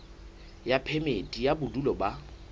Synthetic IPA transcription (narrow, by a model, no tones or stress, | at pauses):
japʰemetʼijabʊdulɔba